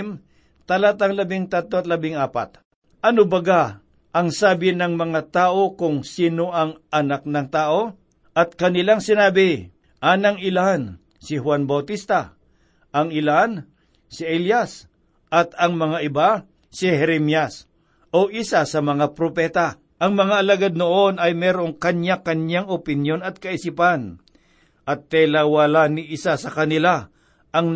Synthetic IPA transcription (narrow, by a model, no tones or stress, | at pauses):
m | t̪ɐlat̪ɐŋlɐbɪŋt̪at̪ːoɐt̪lɐbɪŋaːpa̰t̪̚ | ʔɐnobɐɡa | ʔɐŋsaːbɪnɐŋmɐŋat̪aːʔo̞kʊŋsiːnoʔɐŋɐnak̚nɐŋt̪aːʔo̞ | ʔɐt̪̚kɐnɪlaŋsɪnaːbɪ | ʔaːnɐŋɪlan | sɪhwanbɐwt̪ist̪a | ʔɐŋɪlaan | sɪʔɛljas | ʔɐt̪ɐŋmɐŋaʔɪba | sɪhɛɾɛmjas | ʔoʔɪsasɐmɐŋapɾopɛːt̪a | ʔɐŋmɐŋaʔɐlaɡad̪̚noʔo̞nɐjmɛːɾoŋkɐɲjakɐnjaŋopɪnjo̞nɐt̪̚kɐʔɪsipan | ʔɐt̪ːɛlawalanɪʔɪsasɐkɐnɪla | ʔɐŋ